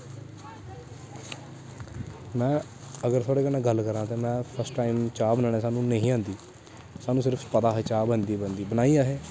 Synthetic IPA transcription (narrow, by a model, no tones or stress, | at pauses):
mɛ̃ː | əɡəɾt̪ʰaːɽeːkənẽːɡəlkəɾãːt̪eːmɛ̃ːpʰəɾsʈʈaːimt͡ʃaːbənaːɽːsaːnũːnəɦĩːãːnd̪iː | saːnũːs̬ɪɾəpʰpəd̪aːɦeːt͡ʃaːbənd̪iːbənd̪iːbənaːiːaːɦeː